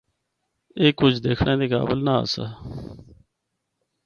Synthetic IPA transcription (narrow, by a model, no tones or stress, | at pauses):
eːkʊd͡ʒʰd̪eːkʰɳʔẽːd̪eːka̰ːbəlnaːə̰sa̰ː